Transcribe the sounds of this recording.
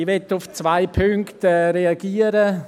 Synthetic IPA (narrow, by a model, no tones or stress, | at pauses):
ʋɛtʊft͡svaɪpʰʏŋktɛɾeaɡ̥iːəɾə